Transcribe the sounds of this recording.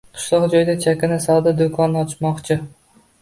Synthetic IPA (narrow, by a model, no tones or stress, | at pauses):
qʰɨ̥ʃlˠɒqd͡ʒɒjd̪at͡ʃʰakʲanasɒd̪ad̪okʰɒnɒt͡ʃmɒqt͡ʃʰɪ